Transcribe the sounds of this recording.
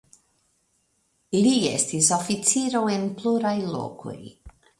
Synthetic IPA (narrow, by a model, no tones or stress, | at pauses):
lie̞̰stisofit͡siɾo̞e̞npluɾajlo̰ko̞̰j